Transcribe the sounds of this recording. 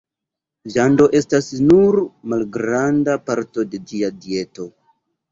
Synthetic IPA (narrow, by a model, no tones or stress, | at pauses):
ʒando̞ʔe̞stasnuɾmalɡɾandapaɾto̞de̞d͡ʒiadie̞to̞